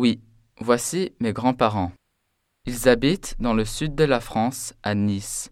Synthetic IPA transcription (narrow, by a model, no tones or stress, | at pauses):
wi | vwasimeɡʁɑ̃paʁɑ̃ | ilzabit̪d̪ɑ̃ləsyd̪̚ːəlafχɑ̃sanis